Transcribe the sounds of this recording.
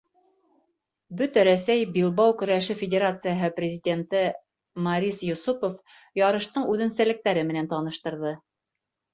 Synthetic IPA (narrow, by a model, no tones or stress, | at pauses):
bɵt̪æɾæsæjbilˠβɑwkɵ̆ɾæʃɘfʲɪdʲeɾat̪sɨjəɦɤprʲɪzʲɪdʲe̞nt̪ɘ | mɑɾʲisjŭsupof | jɑɾɤ̆ʃt̪ɤɴʉðɘ̆nsælɘ̆k̚t̪æɾɘmɘ̆nænt̪ɑnɤ̆ʃt̪ɤ̆ɾðɤ